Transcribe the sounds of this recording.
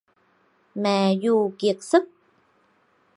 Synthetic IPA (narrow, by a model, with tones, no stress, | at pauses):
mɛ˨ju˧ki˨˩ək̚sɨ˦˥k̚